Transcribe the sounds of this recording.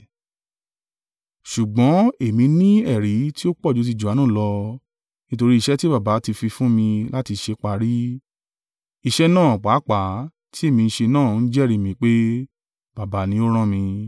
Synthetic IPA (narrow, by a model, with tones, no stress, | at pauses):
ʃu˨ɡ͡bɔ̃˨˦e˨mĩ˧nĩ˦ɛ˦˨ɾi˨˦ti˦o˦k͡pɔ˦˨d͡ʒo˨˦t̬i˧d͡ʒu˨a˨˦nũ˦˨lɔ˧ | nĩ˦to˧ɾi˦i˧ʃɛ˦ti˦ba˦˨ba˨˦ti˧fi˧fũ˦mĩ˧la˦ti˧ʃe˧k͡pa˧˦ɾi˦ | i˦˧ʃɛ˦nãː˦˨k͡pa˨˦k͡pa˨˦ | tʰi˦e˦˨mĩ˧ñ̩˦ʃe˧nãː˦˨˦n̩˦d͡ʒɛ˦˨ɾi˨˧mĩ˧k͡pe˦ | b̥a˨ba˨˦nĩ˧o˦ɾ̃ã˦˨mĩ˧